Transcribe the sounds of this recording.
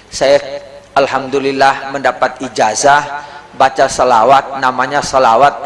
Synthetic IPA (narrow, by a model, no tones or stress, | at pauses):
sajaʔalhamd̪ulilːahməndapat̪̚id͡ʒazahbat͡ʃasəlawat̪̚namaɲasəlawat̪̚